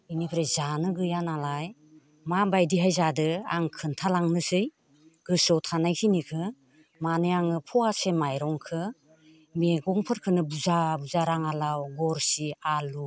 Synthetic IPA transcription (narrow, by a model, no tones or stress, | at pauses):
inipʰɾezanɯɡɯjanalaj | mabajdiɦajzadɯa̰ŋkʰɯntʰalaŋnɯsɯj | ɡ̥ɯsɔtʰanajkʰinikʰɯ | manɯjaŋɯpʰɔasemajɾɔŋkʰɯ | meɡɔŋpʰɯɾkʰɯnɯbuzabuzaɾaŋalawɡɔɾsialu